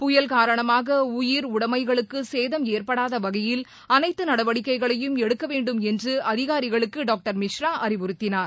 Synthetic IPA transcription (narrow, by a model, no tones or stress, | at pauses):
pʊjɐlkaːɾɐɳɐmaːɣɐʊjɪɾʊɽɐmɐɪɣɐɭɯkːɯseːðɐmeːrpɐɽaːðɐʋɐɣɐjɪl | ɐnɐɪt̪ːɯnɐɽɐʋɐɽɪkːɐɪɣɐɭɐjɯmɛɽɯkːɐʋeːɳɖɯmɛndrɯɐðɪɣaːɾɪɣɐɭɯkːɯɖaːk̚ʈɐɾmɪʂɾaːʔɐɾɪʋʊɾɯt̪ːɪnaːɾ